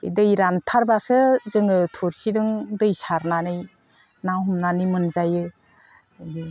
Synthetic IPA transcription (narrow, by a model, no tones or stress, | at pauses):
dɯjɾantʰaɾbasɯzɯŋɯtʰuɾsidɯŋdɯjsaɾnanɯj | nawhumnanɯjmɯnzajɯ | ɡi